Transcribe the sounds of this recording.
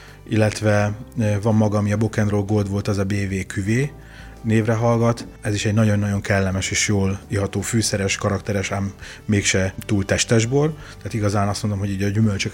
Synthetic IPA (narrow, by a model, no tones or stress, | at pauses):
ilːɛt̪ʋɛvɒmːɒɡɒːmiɒbo̞kɛnroːlɡoːld̪ʋo̞lt̪ɒzɒbeːveːkʰyveː | neːvrɛɦɒlɡɒt̪ | ɛziʃɛɟnɒɟo̞nːɒɟo̞ŋkɛlːɛmɛʃeːʃjoːliɦɒt̪oːfyːsɛɾɛʃkɒɾɒkt̪ɛɾɛʃamː | eːkʃɛt̪uːlt̪ɛʃt̪ɛʒbol | t̪ɛaːt̪iɡɒzaːnɒst̪mo̞nd̪omɦo̞ɟiːɟɒɟymølt͡ʃøk